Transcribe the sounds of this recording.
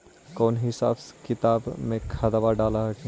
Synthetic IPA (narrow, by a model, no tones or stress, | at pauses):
kɔːnɦɪsa̰ːbskɪt̪aːbmẽkʰaːd̪aʋaɖaːlaɦɛkĩ